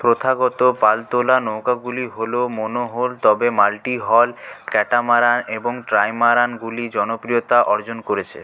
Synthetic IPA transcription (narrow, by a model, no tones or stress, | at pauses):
pɾot̪ʰaɡɔt̪opalt̪olanɔwkaɡuliɦolomonoɦolt̪ɔbemalʈiɦɔlkɛʈamaɾaneboŋʈɾajmaɾanɡulid͡ʑɔnopɾijot̪aʔɔɾd͡ʑonkoɾet͡ɕʰḛ